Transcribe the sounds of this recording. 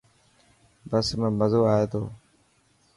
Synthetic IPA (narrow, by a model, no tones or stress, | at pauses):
bəsmə̃ːməzoːaːɦeːt̪ʰoː